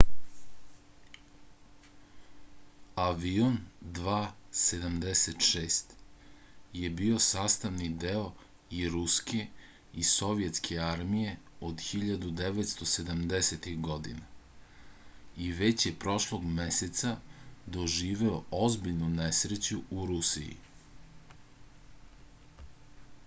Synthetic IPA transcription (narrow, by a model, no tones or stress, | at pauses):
aʋiond̪ʋaːse̞d̪amd̪eset̪ʃeːst̪ | je̞bio̞saːst̪aʋnid̪eo̞ | iɾuskʰe | iso̞ʋije̞t̪skʰeaɾmije̞od̪xiʎad̪ud̪eʋet̪st̪o̞sed̪amd̪eset̪ixɡo̞d̪ḭna | iʋet͡ɕje̞pɾo̞ʃlˠoɡmeset̪sad̪o̞ʒiːʋeoozbiʎnunesɾet͡ɕuuɾusḭjḭ